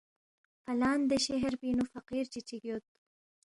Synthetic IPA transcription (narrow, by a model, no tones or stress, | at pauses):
falɑːnd̪əʃeɦɾpinufaqiɾt͡ʃit͡ʃiɡjot̪̚